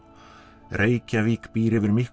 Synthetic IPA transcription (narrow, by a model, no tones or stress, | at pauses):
reːjcaviːkpiːɾɪvɪɾmɪhk